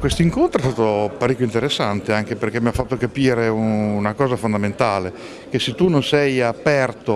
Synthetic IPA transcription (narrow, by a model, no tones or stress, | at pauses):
kwest̪oiŋkont̪ɾoeɛst̪aːt̪opaɾikːjoint̪eɾesːant̪eaŋk̟eperkemiafːat̪ːokapiːɾeunakɔːzafond̪ament̪aːle | keset̪ːunonsɛjapɛrt̪o